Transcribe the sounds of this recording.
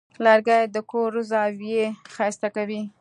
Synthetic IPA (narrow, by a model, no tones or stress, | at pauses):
laɾɡajd̪əkoɾuzawjexajst̪akawi